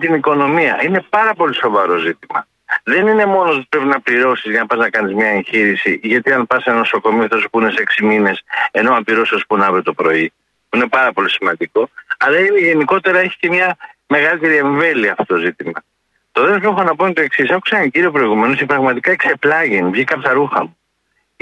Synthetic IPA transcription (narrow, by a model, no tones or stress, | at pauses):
t̪iniko̞no̞miɐinepɐɾɐpo̞liso̞vɐɾo̞zit̪imɐ̰ | ðe̞nine̞mo̞noot̪i̥pɾe̞pinɐpliɾo̞sizʝɐnɐpɐznɐkɐnizmɲɐençiɾisiʝɐt̪iɐnpɐsenoso̞ko̞miot̪ospunese̞ksimine̞se̞no̞ɐpiɾo̞sospunɐvɾot̪o̞pɾo̞i | puine̞pɐɾɐpo̞lisimɐnd̪iko̞ɐlɐineʝe̞niko̞t̪e̞ɾɐe̞çi̥ce̞mɲɐme̞ɣɐlit̪e̞ɾie̞ɱve̞liɐːft̪ot̪ozit̪imɐ | t̪o̞ðelosexonɐpont̪o̞e̞ksisɐfoku̥sɐnciɾio̞pɾo̞iɣume̞nostepɾɐɣmɐt̪ikɐekse̞plɐʝinvʝikɐpçɐɾuxɐmu